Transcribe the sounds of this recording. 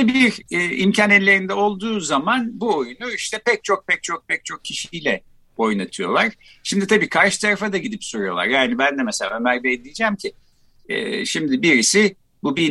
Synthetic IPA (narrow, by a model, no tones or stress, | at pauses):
biiɾɛːimcʰanɛllʲːe̞ɾind̪ɛo̞lˠd̪uːzamanbuojunuiʃt̪ʰɛpɛc̚t͡ʃʰo̞k̚pɛc̚t͡ʃʰo̞k̚pʰɛc̚t͡ʃʰo̞k̚cʰːiʃijlʲɛ | o̞jnat̪ʰɯjo̞̰lˠaɾ̥ | ʃimd̪it̪abiːkʰaɾʃɯ̥t̪ʰaɾafad̪aɟid̪ipsoɾujo̞lˠa̰ɾjaːnibænd̪ɛmɛselʲa̰ømæɾbɛjd̪ijid͡ʒæmcʰi | ɛ̰ːʃimd̪ɪbiɾisɪ | bubi